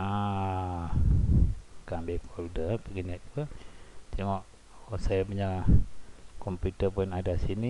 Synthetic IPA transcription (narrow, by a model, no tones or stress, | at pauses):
a | kambehpɔldəpəɡinɛt̪̚punt̪eŋɔʔ | sajapəɲalahkɔmpjut̪əpʊnadasini